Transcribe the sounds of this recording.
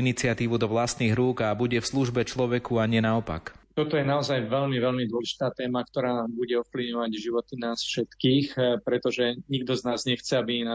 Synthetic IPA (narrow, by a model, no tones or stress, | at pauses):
init͡sɪat̪iːʋud̪ɔʋlast̪niːɣɾuːɡabuɟɛfsluʒbɛt͡ʃlɔʋɛkuaɲɪɛnaɔpa̰kt̪ɔt̪ɔjɛnaɔzajʋɛʎmiʋɛʎmid̪wɔɛʒi̥t̪aːt̪ɛːmak̚t̪ɔɾaːbuɟɛɔfpliʋɲɔʋaɟʒiʋɔt̪inaːsfʃɛt̪kiːxpɾɛt̪ɔʒɛɲiɡd̪ɔznaːzɲɛxt͡sɛabina